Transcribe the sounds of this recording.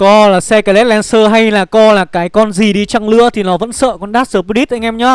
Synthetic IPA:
kɔ˧laː˨˩sɛ˧kaː˧˨˦lɛ˦˥t̚lɛ˧nsəː˧ɦa˧jlaː˨˩kɔ˧laː˨˩kaː˨˦jkɔ˧nzi˨˩ɗi˧t͡ɕa˧ŋlɨ̰˧˥ət̪ʰi˨˩nɔ˨˦və̰˧˥nsə̰ː˧˨kɔ˧nɗaː˦˥t̚səː˧˩pu˧li˦˥t̚ʔa˧ŋʔɛ˧mɲɔ˨˦

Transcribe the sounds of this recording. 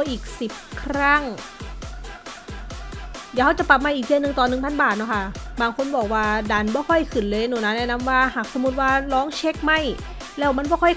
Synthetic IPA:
ʔiː˨˩k̚si˨˩p̚kʰɾa˥˩ŋ | ja˨˧˩ha˧˥˩wt͡ɕa˨˩pa˨˧˩p̚maː˧˨ʔiː˨˩k̚dʰi˧nɯ˨˩ŋt̪ɔː˨˩nɯ˨˩ŋpʰa˧˥˨nbaː˨˩t̪̚nɔ˧˥˩kʰa˥˩baː˧ŋkʰo˧˨nbɔː˨˩k̚waː˧da˧˩nbɔː˧˩kʰɔ˧˥˩jkʰɯ˨˩nlɤː˧˩jnuː˨˩˦na˧˥nɛː˧˩na˦˧˥mwaː˧˩haː˨˩k̚so˧˦mu˧˥t̪̚waː˧˩lɔː˦˥ŋt͡ɕʰe˦˥k̚ma˥˩j | lɛː˦˥˩wma˧˥˨nbɔː˥˩kʰɔ˧˥˩j

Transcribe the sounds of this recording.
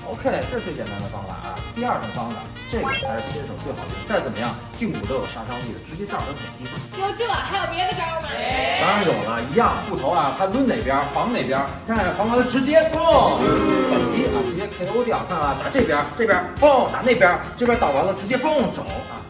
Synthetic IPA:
o˧ʊkʰe˥˩ɪʈ͡ʂɤ˥˩ʂʰwt͡ɕjɛ˨˩na˥nd̪ə˧˩fɑ˥ŋla̰˧˩ʔɐ̰˧˩t̪i˥˧ɐ˞˥˩tə˧˥˩fɑ˥ŋla̰˨˩ | ʈ͡ʂe˥˩pjə̰˧˥t̪ʰa˥ʈ͡ʂɻ̩˧˥t͡ɕjɛ˥˩o̰˨˩ŋt͡swe˥˩ɪxɑ˨˩d̪ə˧˥t͡sa˥˩ɪt͡sə˨˩nmə˦jɑ˥˩ŋ | t͡ɕy˥˩ŋṵ˨˩t̪o˧˥ʊjo˨˩ʂa˥ʂɑ˥t̪ḭ˥˩d̪ə˩ʈ͡ʂɻ̩˧˥t͡ɕjɛ˥t̪ɑ̰˥˨˩d̪ə˧˥pə˨˩nt͡ɕi˧˥˩o˥t͡ɕo˥˩a˨˩t̪ʰa˥lpjɛ˧˥d̪ə˧˩t͡ɕjɑ˥mɐ˨t̪a˥˩jo˨˩ʊlɐ˦i˧˥jɑ˥˩ŋ˩pu˥˩t̪ʰo˧˥ʊɐ˥˩t̪ʰa˥lwu˥nne˨˩ɪpjɐ˥fɑ˧˥ŋne˨˩ɪpjɐ˥ | na˥˩fɑ˧˥ŋla˥d̪ə˧ʈ͡ʂɻ̩˧˥t͡ɕjɛ˥fʊ˥˩˥ | pə˨˩nt͡ɕi˥ʔa˨˩ʈ͡ʂɻ̩˧˥t͡ɕjɛ˥pʰe˧˥ɪo˧˥t̪jɑ˨˩ʊkʰa˥˩nɐ˧˩t̪a˨˩ʈ͡ʂɤ˥˩pjɐ˥ʈ͡ʂɤ˥˩pjfo˥˩t̪a̰˨˩ne˥˩ɪpjɐ˥ʈ͡ʂpʲjɐ˥t̪ɑ˨˩ʊt̪ɑ˧˥lə˧ʈ͡ʂɻ̩˧˥t͡ɕjɛ˥fo˥˩ŋʈ͡ʂo̰˨˩˦ʊɐ̰˧˩

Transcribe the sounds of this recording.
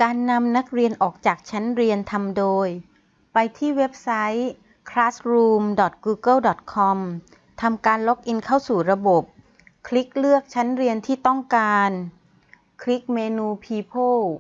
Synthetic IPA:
kaː˧nːa˧mna˦˥k̚ɾi˧ənʔɔː˨˩k̚t͡ɕaː˨˩k̚t͡ɕʰa˦˥nɾi˧ənt̪ʰa˧mdoː˧j | pa˧jt̪ʰiː˥˩we˦˥p̚sa˦˥j | kʰɾaː˦˥sɾuː˧mdɔ˨˩t̪̚ɡuː˧ɡɤ˥˩wdɔ˨˩t̪̚kʰɔ˧m | t̪ʰa˧mkaː˧nlo˦˥k̚ʔi˧nkʰa˥˩wsuː˨˩ɾa˧bo˨˩p̚ | kʰli˦˥k̚lɯ˥˩ək̚t͡ɕʰa˦˥nɾi˧ənt̪ʰiː˥˩t̪ɔ˥˩ŋkaː˧n | kʰli˦˥k̚meː˧nuː˧pʰiː˧pʰoː˥˩

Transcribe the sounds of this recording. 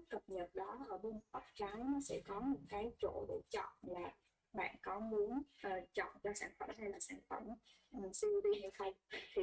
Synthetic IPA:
kə˨˩p̚ɲə˨˩t̚ɗɔ˨˦ʔəː˧˩ɓu˧nhə˨˩k͡p̚t͡ɕa˨˦ŋ˨˦sɛ̰˧˥kɔ˨˦mo˧˩nkaː˨˦jt͡ɕo̰˧˩˨ɗṵ˧˩t͡ɕɔ̰˧˨nlaː˨˩ | ɓa̰ː˧˨nkɔ˨˦mu˨˦ənʔəː˨˩t͡ɕɔ̰˧˨nt͡ɕɔ˧saː˧˩nfə̰˧˩mha˧jlaː˨˩saː˧˩nfə˧˩m | mə˨˩ŋsi˧əwɗi˧ɲi˧˨wt̪ʰə˧jt̪ʰi˨˩

